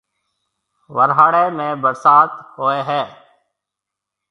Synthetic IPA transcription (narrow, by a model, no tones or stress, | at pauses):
ʋəɾɦaːɽeːmẽːbəɾsaːt̪ɦoːeːɦɛː